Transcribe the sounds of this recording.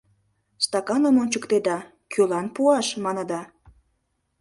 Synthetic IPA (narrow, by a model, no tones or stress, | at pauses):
st̪ɑkɑnəmonʲt͡ɕəkt̪ed̪ɑ | kylɑnpuɑʃmɑnə̆d̪ɑ